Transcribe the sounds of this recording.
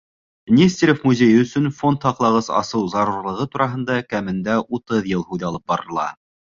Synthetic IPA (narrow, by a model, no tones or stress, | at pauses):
nʲesʲt̪ʲeɾʲofmuzʲejɵ̆sɵnfo̞nt̪hɑqlˠɑʁɤsɑ̰sɤwzɑɾuɾlˠɤ̆ʁɤt̪uɾɑɦɤ̆nd̪ɑkæmɘ̆nd̪æʔut̪ɤðjɤlˠhuðɑlˠɤp̚bɑɾɤ̆lˠɑ̰